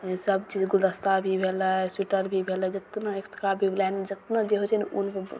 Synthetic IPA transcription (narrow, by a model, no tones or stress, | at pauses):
səbt͡ʃid͡ʒɡuld̪əst̪abʱibʱeləsiʈəɾbʱibʱeləd͡ʒət̪naekst̪ʰəkabʱiblɛnd͡ʒət̪nad͡ʒeɦot͡ʃʰɛnʔunp